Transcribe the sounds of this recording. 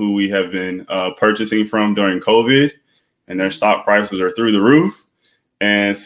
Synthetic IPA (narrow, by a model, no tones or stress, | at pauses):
huwiɨvbɪ̃nʌpʰɜ˞t͡ʃɨsɪ̃ŋfɹʌ̃mdʊɹɪ̃ŋkʰoʊvɪd | ɨ̃nðə˞stɑk̚pʰɹ̥aɪsɨzə˞θɹʉðəɹuf | ɨ̃ns